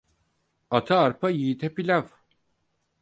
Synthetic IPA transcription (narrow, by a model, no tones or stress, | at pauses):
at̪ʰaːɾpʰajiːt̪ʰɛpilʲav